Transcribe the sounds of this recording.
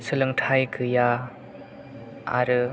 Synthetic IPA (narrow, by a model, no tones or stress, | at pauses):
sɯlɯŋtʰajkʰɯja | a̰ɾɯ